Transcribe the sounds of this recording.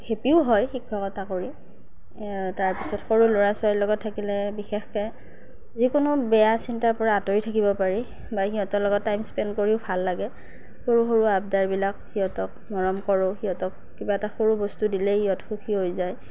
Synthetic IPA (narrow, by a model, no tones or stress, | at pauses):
kʰepiʊɦɔjxikʰːɔkɔtakoɹi | taɹpisɔtxoɹuloɹasʊaɹilɔɡɔtʰːakilɛbixɛxkɛ | zikʊnʊbɛjasintaɹpɔɹaːtoitʰakibɔpaɹi | baxiɦɔtɔlɔɡɔtːajmspɛnkoɹiʊbʱalːaɡɛ | xoɹuxoɹuabdaɹbilakhiɦɔtɔk̚ | mɔɹɔmkɔɹʊxiɦɔtɔk | kibaɛtaxoɹubɔstudilɛiɔtxukʰiɦojzaj